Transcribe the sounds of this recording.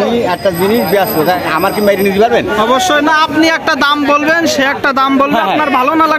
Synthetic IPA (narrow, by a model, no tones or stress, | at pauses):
iɛk̚ʈad͡ʑiniʃbeasbotaa̰maɾkimajɾinid͡ʑibaɾbenɔboʃːojnaapniɛk̚ʈad̪ambolbenʃeɛk̚ʈad̪ambolbeapnaɾbʱalonala